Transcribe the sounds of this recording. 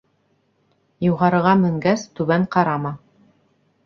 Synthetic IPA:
juʁɑɾɤ̆ʁɑmɘ̆ŋɡæst̪ʉβæɴqɑɾɑmɑ

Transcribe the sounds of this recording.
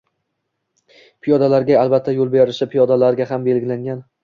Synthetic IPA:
pʰijɒd̪alaɾɡʲaalˠbat̪ʰːajolˠbeɾɪʃɪpʰijɒd̪alaɾɡʲaɦambe̞lɡʲɪlaŋɡʲan

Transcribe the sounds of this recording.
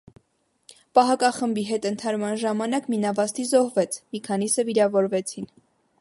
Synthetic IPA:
pɑɦɑkɑχəmbiɦɛt̪ənt̪ʰɑɾmɑnʒɑmɑnɑkminɑvɑst̪izɔhvɛt͡sʰmikʰɑnisəviɾɑvɔɾvɛt͡sʰin

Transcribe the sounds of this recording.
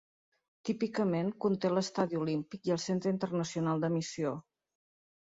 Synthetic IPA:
t̪ipikəmeŋkunt̪eləst̪aðiulimpikjəlˠsent̪ɾəint̪ərnəsiunalˠd̪əmisio

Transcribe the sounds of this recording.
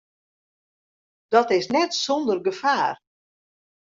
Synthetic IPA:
d̥ɔtɪsnɛtsondərɡəfaːr

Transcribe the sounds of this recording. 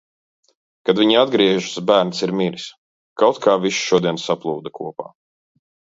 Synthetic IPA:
kad̪viɲiad̪̚ɡɾiɛʒu̥sbæːɾnsiɾmiɾis | kawt̪kʰaːviʃʃuɔd̪iɛnsaplˠuːd̪ɐkuɔpa̰ː

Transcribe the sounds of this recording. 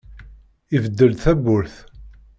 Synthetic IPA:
ivəd̪ːəlθæbːʊɾθ

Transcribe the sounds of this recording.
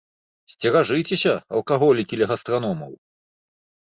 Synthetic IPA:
sʲt͡sʲɛɾaʐɨjt͡sʲesʲɐɐ̰lˠkaɣɔlʲikʲilʲɛɣɐst̪ɾanɔmɐw

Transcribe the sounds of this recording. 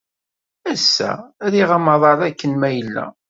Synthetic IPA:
æsːæ̰ðiʁɑmɑðˤɑɾˤækːənmæjəlːæ̰

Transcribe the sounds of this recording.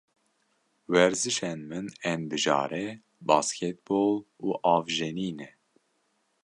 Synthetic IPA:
wɛɾzɨʃɛnmɨnɛnd̪ɨʒɑ̰ːɾɛ | bɑːskʰɛt̪̚boːluːʔɑːvʒɛniːnɛ

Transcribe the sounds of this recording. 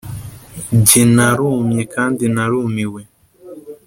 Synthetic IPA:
ɟinaɾumɲikaːndinaɾumiwe

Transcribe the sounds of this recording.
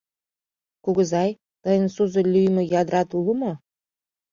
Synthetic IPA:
kuɡə̆zɑj | t̪ɤ̆jə̆nsuzɤ̆lʲyjmɘ̆jɑd̪ɾɑt̪ulˠə̆mɤ̆

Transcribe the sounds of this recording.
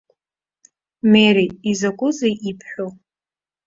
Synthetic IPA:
meɾiizakʷʼʊzaʔipʰħʷᶣo

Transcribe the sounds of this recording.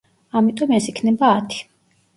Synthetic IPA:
amit̪ʼɔmɛsikʰnɛbaːt̪ʰi̥

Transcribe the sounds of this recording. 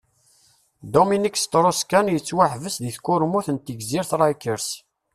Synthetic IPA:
d̪ominikst̪ɾˤoskænjət͡sːwaħvəsðiθkːʊɾmuθənt̪ːiɡziɾθɾˤɑjkəɾs

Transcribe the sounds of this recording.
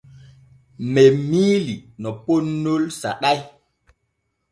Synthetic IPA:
mɛmiːlinɔponːolsa̰ɗaj

